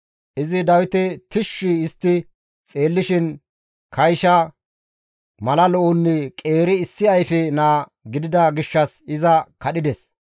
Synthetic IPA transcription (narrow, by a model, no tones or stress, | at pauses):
ʔɪzɪd̪ɐwɪt̪ɛt̪ɪʃːɪːst̪ːɪ | t͡sʼeːlːɪʃɪn | kʰɐjʃɐ | mɐlɐlɔʔʊnːɪkʼe̞ːɾɪːsːɪɐjfɛnaːɡɪd̪ɪd̪ɐɡɪʃːɐsɪzɐkɐɗɪd̪ɛs